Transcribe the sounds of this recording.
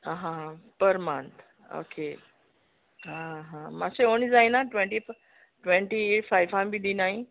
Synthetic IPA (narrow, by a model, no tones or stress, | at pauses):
ɦãpəɾmãnt̪ | o̰kʰe | ɦãɦãmaseonid͡zaĩnaʈʋẽɳʈif | ʈʋẽɳʈieʈfajfambʱid̪inai